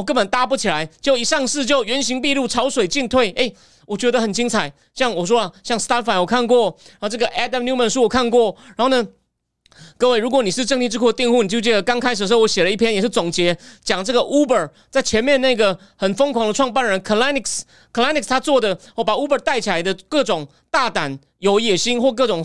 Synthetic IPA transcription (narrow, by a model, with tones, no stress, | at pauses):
k̬ə˥npə˨˩nt̪a˧˥pu˥˩t͡ɕʰi˨la˧˦ɪt͡ɕjo˥˩ʊi˨˩ʂɑ˥˧ŋʂɻ̩˥˧t͡ɕjo˥˩ʊɥɛ˧˥nɕi˧˥ŋpi˥˧lu˥˩ʈ͡ʂʰɑ˧˥ʊswe˨˩ɪt͡ɕi˥˧nt̪ʰwe˥˩ɪʔe˥˩ɪ | wɔ˨˩t͡ɕɥɛ˧˥d̪ə˧xə˨˩nt͡ɕi˥ŋt͡sʰa˨˦ɪ | ɕjɑ˥˩ŋwɔ˨˩ʂ̬wɔ˥lɐ˨˩ɕjɑ˥˩ŋst̪a˥fa˧˥njwɔ˨˩kʰa˥˧nkwɔ˥˩˧ʈ͡ʂɤ˥˩ɡə˨ʔɛ˥d̪ə˧˩mnju˥mə˨nʂu˥wɔ˨˩kʰa˥˧nkwɔ˥˩ɻa˧˥nxo˥˩ʊnə˨˩ | kɤ˥˧we˥˩ɪɻu˧˥kwɔ˧˥ni˨˩ʂɻ̩˥˧ʈ͡ʂɤ˥˧ŋt̪i˥˧ʈ͡ʂɻ̩˥˧kʰu˥˩˧t̪i˥˧ŋxu˥˩ni˨˩t͡ɕjo˥˧˩t͡ɕjɛ˥˩ə˩kɑ˥ŋkʰa˥ɪʂ̬̩˨˩ʂ̩˥˧wɔ˧˦ɕjɛ˨˩lə˦i˥˩pʰjɛ˥njɛ˨˩ʂɻ̩˥˩t͡sʊ˨˩ŋt͡ɕjɛ˧˥t͡ɕjɑ˨˩ŋʈ͡ʂɤ˥˩ɡə˨ʔu˥bə˞˨˩ | t͡sa˥˩ɪt͡ɕʰjɛ˧˥nmjɛ˥˧na˥˩˧ɡə˩ | xə˨˩nfɤ˥ŋkʰwɑ˧˥ŋd̪ə˧ʈ͡ʂʰwɑ˥˧ŋpa˥˩nɻə˧˥nkʰə˨la˥ni˨˩ks | kʰə˨˩la˥ni˨˩kst̪ʰa˥t͡swɔ˥˩d̪ə˩wɔ˥˩pa˨˩u˥bə˞˨˩˦t̪a˥˩ɪt͡ɕʰi˨la˧˦ɪd̪ə˧kɤ˥˩ʈ͡ʂʊ˨˩ŋ | t̪a˥˩t̪a˨˩n | jo˧˥ʊjɛ˨˩ɕi˥nxwɔ˥˧k̬ɤ˥˩ʈ͡ʂʊ˨˩˦ŋ